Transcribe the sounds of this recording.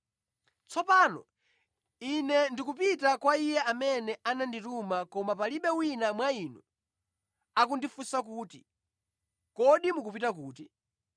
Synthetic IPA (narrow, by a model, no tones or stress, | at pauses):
t͡sʰɔpaːnɔ̰ | inɛndikupitakwaijɛamɛnɛʔananditumakɔmapaliɓɛwinamwaiːnu | ak̬undifusak̬uːti | kɔɗimukupitak̬uːti